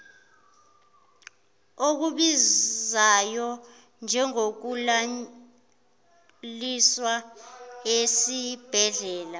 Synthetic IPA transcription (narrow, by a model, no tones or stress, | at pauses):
ok̬uɓizajɔ | nd͡ʒʱɛŋok̬ula | liswa | esib̥ʱɛɮɛːla